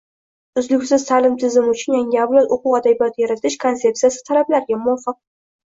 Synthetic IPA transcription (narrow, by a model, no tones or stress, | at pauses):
ʊzlɪɡʲsɪz̥t̪ʰalɪmt̪ʰɪzɪmʊt͡ʃʰʊnjaŋʲɪawlat̪oqʊwad̪abijɒt̪jaɾat̪ʰɪʃkʰont̪se̞p̪̚sijasɪ̥t̪ʰalablaɾɡʲamʊwafɨq̚